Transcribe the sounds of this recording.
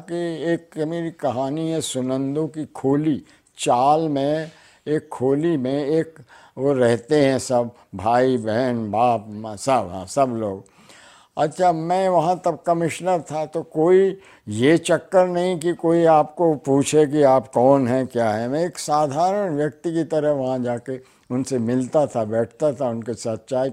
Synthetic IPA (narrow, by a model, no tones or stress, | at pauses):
kieːkmeːɾikɐɦaːniɦɛsʊnə̃nd̪õkikʰoːli | t͡ʃaːlmẽ | eːkʰːoːlimẽeːk | ʋoɾɛɦt̪eɦɛ̃sɐb | bʱaːibɛɦənbaːp̚msɐbɦɛ̰̃sɐbloːɡ | ɐtːʃʰamɛ̃ːʋɐɦãt̪ɐb̚kɐmɪʃnəɾt̪ʰat̪okoːi | jet͡ʃɐkːəɾnɐɦĩk̬ikoːiaːpkopuːt͡ʃʰek̬iaːpkɔːnɦɛkjaːɦɛmɛ̃eːksaːd̪ʱaːɾənʋjɐk̚t̪ikit̪ɐɾəɦʋɐɦãd͡ʒaːke | ʊnsemɪlt̪at̪ʰabɛːʈʰt̪at̪ʰaʊnkesɐt̪ʃaːi